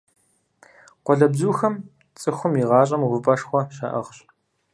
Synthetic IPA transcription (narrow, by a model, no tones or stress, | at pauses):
qʷɔɮɐbzuːxɐm | t͡sʼɨxʷʊmjiʁɑːɕʼɐmʁʷʊpʼɐʂxʷɔʃa̰ːʔɐ̰ʁɕ